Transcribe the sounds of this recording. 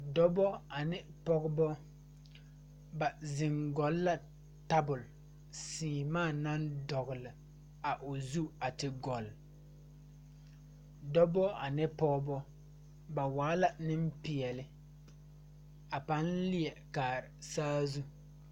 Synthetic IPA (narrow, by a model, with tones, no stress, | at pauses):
dɔ˦bɔ˦a˨nɪ˦pɔ˦ɡbɔ˦ | ba˨zɪ˨ŋɡɔ˨˦lːa˦ | ta˦bʊ˨l | siː˨maː˦˨na˦ndɔ˨ɣʊ˨lɪ˨ | a˨ʔo˨zu˦a˨tɪ˨ɡɔ˨l | dɔ˦bɔ˦a˨nɪ˦pɔ˦ɡbɔ˦ | ba˨waː˨˦la˦nɪ˦m˦pɪ˨ɛ˨lɪ˦ | a˨pa˦nlɪ˦ɛ˨kaː˨ɾɪ˨saː˦zu˦